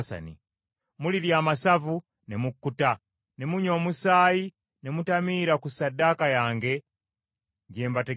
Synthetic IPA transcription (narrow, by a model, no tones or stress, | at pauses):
sa̰nḭ | muliljamasavu | nɛmukːuta | nemuɲomusaji | nɛmutamiɾakusadakajaːŋɡɛ | ɲɟɛmbatɛ